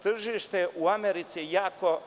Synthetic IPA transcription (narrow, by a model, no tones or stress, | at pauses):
t̪r̩ʒiːʃt̪eʔuameɾit̪sijaːko